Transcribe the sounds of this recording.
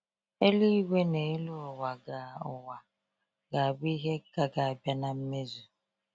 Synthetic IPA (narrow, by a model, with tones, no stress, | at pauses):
e˦li˦we˦ne˨e˦lo˦˨wa˨ɡa˨ʊ˨wa˨ | ɡa˨a˨bi˦i˦ɦe˦ɡ̥a˨ɡa˨a˨bja˦na˨m̩˦me˦zu˨